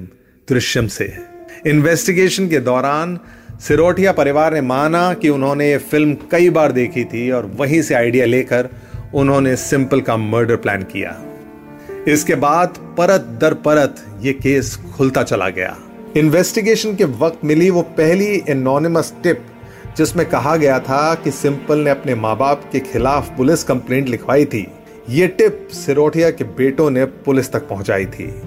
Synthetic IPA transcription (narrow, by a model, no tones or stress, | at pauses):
d̪ɾɪʃjəmsḛːɪnʋɛːsʈɪɡeːʃənked̪ɔːɾaːn | sɪɾoːʈijapɐɾɪʋaːɾnemaːnakiʊnɦõːnejefɪlmkɐibaːɾd̪eːkʰit̪ʰiɔːɾʋɐɦĩseaːɪɖijaleːkəɾ | ʊnɦõːnesɪ̃mpəlkaməːɾɖəɾplɛ̰ːnkḭja̰ː | ɪskebaːd̪ | pɐɾət̪̚d̪ɐɾpɐɾət̪ | jekeːskʰʊlt̪at͡ʃɐla̰ɡɐ̰ja̰ː | ɪnʋɛːsʈɪɡeːʃənkeʋɐq̚t̪mɪliʋopɛɦliɛnɔːnɪməsʈɪp̚ | d͡ʒɪsmẽkɐɦaɡɐjat̪ʰakisɪ̃mpəlneɐpnemaːbaːpkexʰɪlaːfpʊlɪskɐ̃mplẽːɳʈlɪkʰʋaːit̪ʰḭː | jeːʈɪp̚sɪɾoːʈʰijakebeːʈõnepʊlɪst̪ɐk̚pɐɦʊ̃t͡ʃa̰ːit̪ʰḭː